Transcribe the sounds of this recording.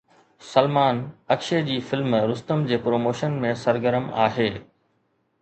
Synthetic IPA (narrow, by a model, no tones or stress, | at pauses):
sɐlmaːnɐkʃed͡ʑiːfɪlmɾʊst̪əmd͡ʑeːpɾoːmoːʃənmẽsɐɾɡəɾəma̰ːɦeː